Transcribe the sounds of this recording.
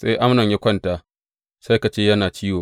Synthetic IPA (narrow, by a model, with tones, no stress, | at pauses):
sa˦jʔa˦mnɐ˨ɲja˦kʷɐ˦ntaː˨ | sa˦jka˨t͡ʃeː˦jɐ˦naː˨t͡ʃiː˦woː˨